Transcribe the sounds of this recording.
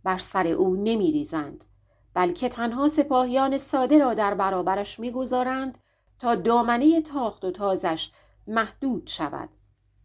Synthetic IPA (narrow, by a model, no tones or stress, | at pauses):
b̥æɾsæɾe̞ʔuːne̞miːɾiːzænd̪̥ | b̥ælcʰe̞t̪ʰænɦɒːse̞pʰɒːhijɒːne̞sɒːd̪e̞ɾɒːd̪æɾbæɾɒːbæɾæʃmiːɡo̞zɒːɾænd̪̥ | t̪ʰɒːd̪ɒːmæneje̞t̪ʰɒːχt̪o̞t̪ʰɒːzæʃ | mæhd̪̥uːd̪̥ʃævæ̰d̪̥